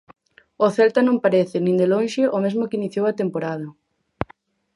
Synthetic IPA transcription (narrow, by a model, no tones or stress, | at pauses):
ʊθɛlt̪anõmpaɾeθɪnĩnd̪elõnʃɪʔomezmʊkɪiniθjowɐt̪empoɾað̞ɐ